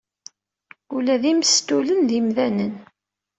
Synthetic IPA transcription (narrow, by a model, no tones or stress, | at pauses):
ulæðimst̪ːulənðimðænən